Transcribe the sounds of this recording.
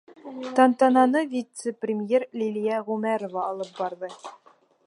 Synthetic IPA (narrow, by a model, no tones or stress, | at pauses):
t̪ɑnt̪ɑnɑnɤvʲit̪səprʲɪmjeɾlʲilʲijaʁʉmæɾovɑːlˠɤp̚bɑɾðɤ